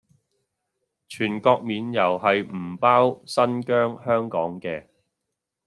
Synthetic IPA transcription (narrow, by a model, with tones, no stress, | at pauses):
t͡ʃʰyː˨˩nkɔː˧k̚miː˨˧njɐ˨˩whɐ˨jm̩˨˩paː˥wsɐ˥nkœː˥ŋhœː˥ŋkɔː˨˥ŋkɛː˧